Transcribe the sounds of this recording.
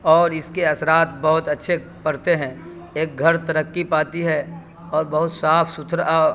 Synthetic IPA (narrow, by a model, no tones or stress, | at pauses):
ɔːɾɪskeɐsɾaːt̪̚bɐɦʊt̪ɐtːʃʰe | pɐɾt̪eɦɛ̃ | eːk̚ɡʱɐɾt̪ɐɾəkːipaːt̪iɦɛ | ɔːɾbɐɦʊt̪saːpʰsʊt̪ʰɾ